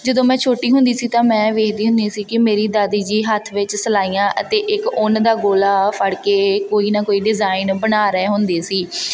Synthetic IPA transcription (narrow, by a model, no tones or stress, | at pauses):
d͡ʒəd̪õːmɛ̃ːt͡ʃʰoːʈiːɦʊ̃nd̪iːsiːt̪ãːmɛ̃ːʋeːkʰd̪iːɦʊ̃nd̪iːsiːkɪmeːɾiːd̪aːd̪iːd͡ʒiːɦət̪ʰʋɪt͡ʃsəlaːijãːʔət̪eːʔɪkʊnd̪aːɡoːlaːpʰəɽkeːkoːiːnaːkoːiːɖɪzaːɪnbənaːɾɛːɦʊnd̪eːsiː